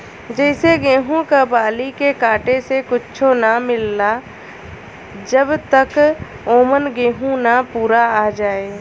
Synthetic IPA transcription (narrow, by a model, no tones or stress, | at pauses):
d͡ʒɛɪseɡẽːɦũkabaːlikekaːʈesekʊt͡ʃʰonamɪlːa | d͡ʒəbt̪ək | oːmənɡẽːɦũnapuːɾaad͡ʒaːe